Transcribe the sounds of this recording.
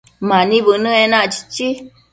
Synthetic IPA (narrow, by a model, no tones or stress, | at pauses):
mãnĩβɨnɨ̃ẽnãʔt͡ʃi̥t͡ʃi